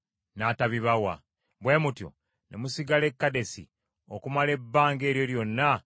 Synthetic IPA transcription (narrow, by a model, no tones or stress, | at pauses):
nataβiβawa̰ | βwe̞mutjo̰ | nḛmusiɡale̞kːade̞sḭ | okumale̞bːaːŋɡe̞ːɾjo̞ljo̞nːa